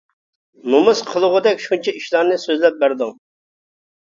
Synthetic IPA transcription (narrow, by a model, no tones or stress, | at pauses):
mumɨsqʰəlˠʊʁʊd̪ɛkʲʃunt͡ʃʰɛiʃlˠɑɾnɨsøzlɛp̚bæɾd̪ʊŋ